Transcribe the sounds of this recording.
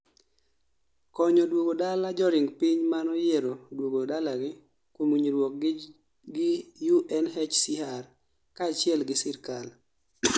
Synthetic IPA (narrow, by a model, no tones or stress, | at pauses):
kɔɲɔdwoɡodalad͡ʒɔɾɪŋɡpiɲmanɔjeɾodwoɡodalaɡɪ | kwomuɲiɾwok̚ | ɡɪjuʔɛnɦɛt͡ʃsɪɦar | kaːt͡ʃɪɛlɡɪsɪrkal